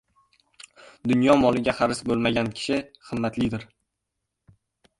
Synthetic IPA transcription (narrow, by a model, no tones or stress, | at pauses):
d̪ʊnjɒmɒlˠɪɡʲaχaɾɪsbolˠmaɡʲankʲʰɪ̥ʃɪχɨmːat̪lɪd̪ɪɾ